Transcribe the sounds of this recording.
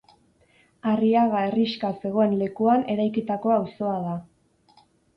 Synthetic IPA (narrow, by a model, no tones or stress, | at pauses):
ariaɣae̞riʃkase̞ɣo̞e̞nle̞kuane̞ɾajkit̪ako̞awso̞aða